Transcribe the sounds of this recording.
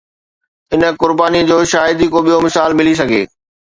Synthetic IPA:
ɪnə̆kʊɾbaːnid͡ʑoːʃaːjɪd̪ikoɓijomɪsaːlmɪlis̬ɐɡʱḛː

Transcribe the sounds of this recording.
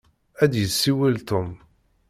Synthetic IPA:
æd̪jəsːiwəlt̪ʊm

